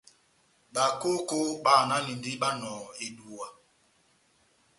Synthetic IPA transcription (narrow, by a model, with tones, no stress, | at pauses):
ɓa˨ko˦ko˦ɓa˦˨na˦ni˨ndi˦ɓa˦nɔ̃ː˨e˨du˨wa˨